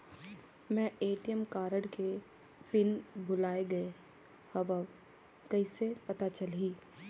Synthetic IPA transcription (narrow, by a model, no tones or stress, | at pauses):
mɛ̃eːʈijəmkaːɾəɽke | pɪnbʊlaːeɡɐe | hɐʋa | kɐisepɐt̪at͡ʃɐliː